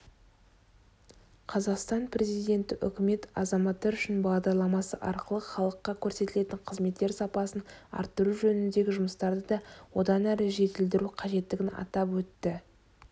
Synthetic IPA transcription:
qʰɑzɑqst̪ɑnpʰɾe̞zijd̪ʲe̞nt̪ɪʔʏ̰kʲɪme̞t̪ɑ̰zɑmɑt̪ːɑɾʏʃɪnbɑʁd̪ɑɾlˠɑmɑsəʔɑɾqəlˠəχɑlˠəqːɑkʲʰɵɾse̞t̪ɪle̞t̪ɪɴqʰəzme̞t̪ːe̞ɾsɑpɑsənɑ̰ɾt̪ːəɾuʒɵnɪnd̪e̞ɡʲɪʒʊməst̪ɑɾd̪əd̪ɑwo̞d̪ɑnæɾɪʒe̞t̪ɪld̪ɪɾuqʰɑʒe̞t̪ːɪɡʲɪnɑ̰t̪ɑpwɵt̪ːɪ

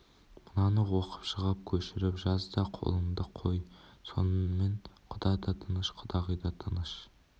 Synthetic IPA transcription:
mənɑnəwoqə̥pʃəʁɑp̚kʲʰɵʃɪɾɪpʒɑzd̪ɑqʰo̰lˠənd̪əqʰo̞jso̞̰nme̞ɴqʰʊd̪ɑjd̪ɑt̪ʰənəʃqʰʊd̪ɑʁəjd̪ɑt̪ʰənəʃ

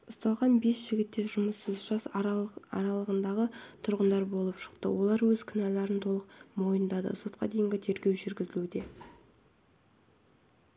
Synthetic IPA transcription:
ʊst̪ɑlˠʁɑnbe̞sʒ̥ɪɡʲɪt̪ːe̞ʒʊməsːəzʒɑsɑ̰ɾɑlˠəʁənd̪ɑʁət̪ʰʊɾʁənd̪ɑɾbo̞lˠəpʃə̥qt̪ə̰wʔo̞lˠɑɾwɵzkʲʰɪnɑlɑɾənt̪ʰo̞lˠəqmo̞jənd̪ɑd̪ə̰so̞t̪̚qɑd̪e̞jɪŋɡʲɪt̪ʰe̞ɾɡʲe̞wʒʏɾɡʲɪzɪlud̪e̞

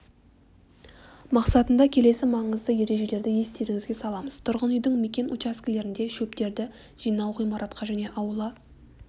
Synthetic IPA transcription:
mɑqsɑt̪ənd̪ɑkʲʰe̞le̞sɪmɑɴəzd̪əje̞ɾe̞ʒe̞le̞ɾd̪ɪje̞st̪e̞ɾɪŋʲɪzɡʲe̞sɑlˠɑməz̥t̪ʰʊɾʁənʏjd̪ɪŋme̞kʲe̞nʔot͡ʃaskʲɪle̞ɾɪnd̪e̞ʃɵpt̪e̞ɾd̪ɪ | ʒ̥ijnɑwʁijmɑɾʔɑt̪qɑʒæne̞ʔɑwəlˠə

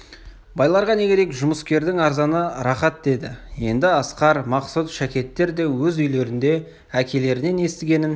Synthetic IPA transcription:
bɑjlˠɑɾʁɑne̞kʲe̞ɾe̞kʒʊməskʲe̞ɾd̪ɪŋɑɾzɑnəɾɑχɑt̪̚d̪e̞d̪ɪje̞nd̪ɪɑsqɑɾmɑqsut̪ʃækʲe̞t̪ːe̞ɾd̪e̞wɵzʏjle̞ɾɪnd̪e̞ | ækʲe̞le̞ɾɪne̞ne̞st̪ɪɡʲe̞nɪn

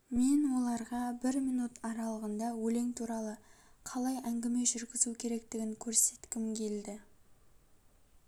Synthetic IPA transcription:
me̞nwo̞lˠɑɾʁɑbɪɾmijnut̪ɑɾɑlˠəʁənd̪ɑwɵle̞ŋt̪ʰuɾɑlˠəqʰɑlˠɑjæŋɡʲɪme̞ʒʏɾɡʲɪzukʲʰe̞ɾe̞k̚t̪ɪɡʲɪŋkʲʰɵɾse̞t̪kʲɪmkʲʰe̞ld̪ɪ

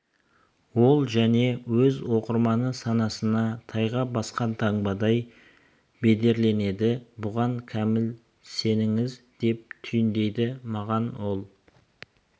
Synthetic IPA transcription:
wo̞lˠʒæne̞wɵzwo̞qəɾmɑnəsɑnɑsənɑt̪ʰɑjʁɑbɑsqɑnt̪ʰɑɴbɑd̪ɑj | be̞d̪e̞ɾle̞ne̞d̪ɪbʊʁɑŋkʲʰæmɪl | se̞nɪŋɪz | d̪̥e̞p̚t̪ʰʏjɪnd̪e̞jd̪ɪmɑʁɑnwo̞lˠ

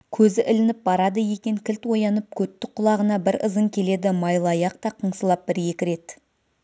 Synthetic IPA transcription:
kʲʰɵzɪʔɪlɪnɪp̚bɑɾɑd̪əje̞kʲe̞ŋkʲɪlt̪wo̞jɑnəp̚kʲʰɵt̪ːɪqʰʊlˠɑʁənɑbɪɾəzəŋkʲʰe̞le̞d̪ɪmɑjlˠɑjɑq̚t̪ɑqʰəɴsəlˠɑp̚bɪɾje̞kʲɪɾe̞t̪

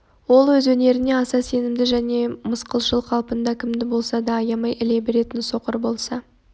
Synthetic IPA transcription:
wo̞lˠwɵzwɵne̞ɾɪne̞ɑsɑse̞nɪmd̪ɪʒæne̞məsqəlˠʃəlˠqʰɑlˠpənd̪ɑkʲʰɪmd̪ɪbo̞lˠsɑd̪ɑːjɑmɑjʔɪle̞be̞ɾe̞t̪ɪnso̞qəɾbo̞lˠsɑ

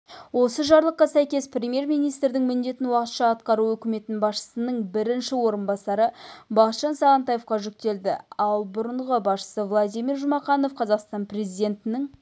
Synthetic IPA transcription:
wo̞səʒɑɾlˠəqːɑsæjkʲe̞sprʲemʲje̞ɾmijnijst̪ɾd̪ɪŋmɪnd̪e̞t̪ɪnwɑqət̪ʃɑːt̪qɑɾuɵkʲɪme̞t̪ɪnbɑsʃə̥sənəɴbɪɾɪnʃɪwo̞ɾənbɑsɑɾəbɑqt̪ʃɑnsɑʁɑnt̪ɑjefqɑʒʏk̚t̪e̞ld̪ɪ̰ɑlˠbʊɾəɴʁəbɑsʃə̥səvlˠad̪ijmiɾʒʊmɑqɑno̞fqʰɑzɑqst̪ɑnpre̞zijd̪e̞nt̪ɪnɪŋ

